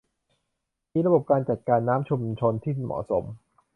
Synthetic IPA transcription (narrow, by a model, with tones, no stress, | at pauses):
miː˦˧˥ɾa˧bo˨˩p̚kaː˧nt͡ɕa˨˩t̪̚kaː˧nːaː˦˥mt͡ɕʰu˧mt͡ɕʰo˧nt̪ʰiː˥˩mɔ̰ː˨˩so˩˦m